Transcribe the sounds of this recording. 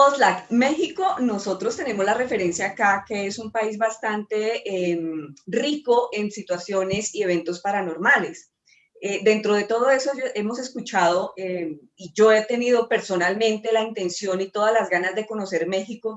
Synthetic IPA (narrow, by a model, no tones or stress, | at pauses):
oslakme̞xiko̞no̞so̞t̪ɾo̞st̪e̞ne̞mo̞zlare̞fe̞ɾe̞nsjaːkake̞esumpaizbast̪ant̪e̞mriko̞ʔe̞nsit̪wasjo̞ne̞sie̞β̞ẽ̞nt̪o̞spaɾano̞ɾmale̞s | ed̪e̞nt̪ɾo̞ð̞e̞t̪o̞ð̞o̞e̞sooʔe̞mo̞se̞skut͡ʃað̞o̞e | id͡ʒo̞et̪e̞niðo̞pe̞ɾso̞nalmẽ̞nt̪e̞laint̪e̞nsjonit̪o̞ðazlazɡanazd̪e̞ko̞no̞se̞ɾme̞xiko̞